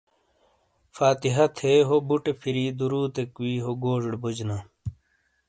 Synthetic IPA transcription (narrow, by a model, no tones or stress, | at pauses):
faːt̪iɦɐt̪ʰeːɦobuʈepʰiɾiːd̪uɾuːt̪ekwiːɦoɡoːʐɽbud͡ʑna